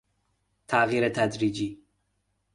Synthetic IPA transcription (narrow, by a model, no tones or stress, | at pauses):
t̪ʰaɣiːɾet̪ʰad̪ɾiːd͡ʒiː